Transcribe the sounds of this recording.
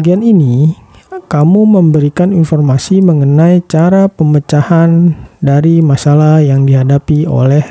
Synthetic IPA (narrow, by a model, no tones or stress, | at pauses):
ɡianini | kamuməmbəɾikaninfɔrmasiməŋənait͡ʃaɾapəmət͡ʃahandaɾimasalahjaŋdiɦadapio̰lɛh